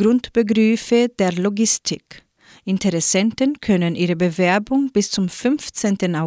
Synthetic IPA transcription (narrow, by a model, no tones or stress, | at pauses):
ɾʊnt̪b̥əɡɾyːfəd̪̥eːɾlɔɡɪst̪ʰɪk | ɪnt̪ʰəɾɛsɛnt̪ənkʰœnənʔiːɾəbəvɛɐbʊŋb̥ɪst͡sʊmfʏnft͡sɛnt̪ənaʊ